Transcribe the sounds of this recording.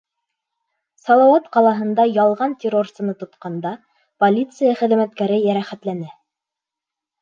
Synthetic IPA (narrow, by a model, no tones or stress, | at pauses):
sɑlˠɑwɑt̪qɑlˠɑɦɤ̆nd̪ɑjɑlˠʁɑnt̪ʲɪɾorssɤ̆nɤt̪ŏt̪qɑnd̪ɑ | polʲit̪sɨjaχɘ̆ðmæt̪̚kæɾɘjæɾæχæt̪lænɘ